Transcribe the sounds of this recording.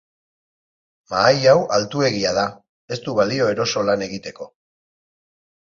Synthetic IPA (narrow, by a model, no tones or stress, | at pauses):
maːjawalt̪ue̞ɣiaða | e̞st̪uβalio̞e̞ɾo̞so̞lane̞ɣit̪e̞ko̞